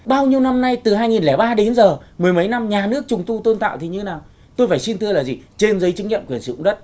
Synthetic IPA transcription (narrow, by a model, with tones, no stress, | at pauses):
ɓaː˧wɲi˧əwna˧mna˧jt̪ɨ˨˩ɦaː˧jŋi˨˩nlɛː˧˩ɓaː˧ɗe˨˦nzəː˨˩mɨ˨˩əjmə˨˦jna˧mɲaː˨˩nɨ˦˥ək̚t͡ɕʊ˨˩ŋ͡mt̪u˧t̪o˧nt̪a̰ː˧˨t̪i˨˩ɲɨ˧e˦naː˨˩w | t̪o˧jfaː˧˩jsi˧nt̪ɨ˧əlaː˨˩zi˨˩t͡ɕe˧nzə˨˦jt͡ɕɨ˨˦ŋɲḭ˧˨kwi˨˩ənsḭ˧˩˨ʊ̰˧˥ŋ͡mɗə˦˥t̚